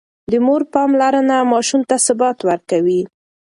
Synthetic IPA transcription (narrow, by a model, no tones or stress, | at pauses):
d̪əmoɾpɑmlaɾənamɑʃumt̪asʊbɑt̪waɾkawi